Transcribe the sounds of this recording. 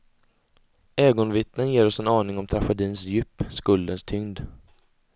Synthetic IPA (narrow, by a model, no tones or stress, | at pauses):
eːɡɔnvɪt̪nənjeːɾɔsɛnɑːnɪŋɔmt̪ʰɾafɛd̪iːnsjʏːpːskɵld̪ənst̪ʰʏŋd̪